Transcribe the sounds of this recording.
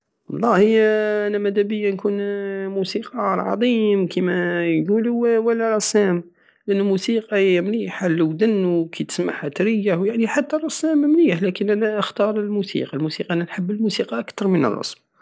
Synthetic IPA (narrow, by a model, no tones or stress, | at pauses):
wɑ̰lˤːɑhiʔænæmæd̪æbəjːankunmusiqɑʕɑ̰d̪ˤimkʰimæjɡulwəlːæɾˤɑsæm | lʔənːumusiqɑmliħalːuwd̪ənːukʰit̪ə̥sma̰ħhæt̪ɾəjːahwjaʕniħat̪ːærˤɑsæmmliħlækənʔænæʔəxt̪ɑɾˤəlmusḭqɑlmusiqɑʔænænħəbːəlmusiqɑʔakt̪ɑɾˤmənə̰rˤːɑ̰sm